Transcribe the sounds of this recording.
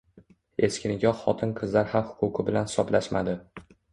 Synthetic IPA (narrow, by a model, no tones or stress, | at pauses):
e̞skʲɪnɪɡʲɒχɒt̪ʰɪnqʰɨzlaɾhamhʊ̥qʰʊqʰɨbɪlanhɪsɒblaʃmad̪ɪ